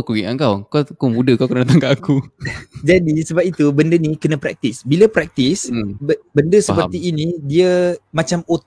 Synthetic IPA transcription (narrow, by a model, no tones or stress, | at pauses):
kuiaŋkawkakumudəkawkənnat̪aŋɡaʔakud͡ʒadisəbap̚it̪ubəndənikənə̃pɾɛ̰k̚t̪isbiləpɾɛk̚t̪isbbəndəsəpəiːnidiəmãt͡ʃamot̪